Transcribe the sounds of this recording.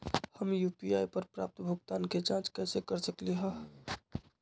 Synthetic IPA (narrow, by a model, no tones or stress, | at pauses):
həmjuːpiaːjpəɾpɾa̰p̚t̪bʱʊɡt̪aːnket͡ʃãt͡ʃkɛːsekəɾsəkliɦə